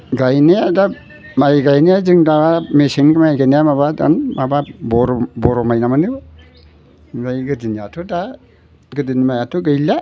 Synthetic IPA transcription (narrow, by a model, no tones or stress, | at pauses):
ɡajnijada | majɡajnijazɯŋdawamesiŋɡɯmajɡanijamaβada̰nmababɔɾɔbɔɾɔmajnamanɯw | ɡajɡɯdinijatʰuda | ɡɯdɯnimajatʰuɡɯjla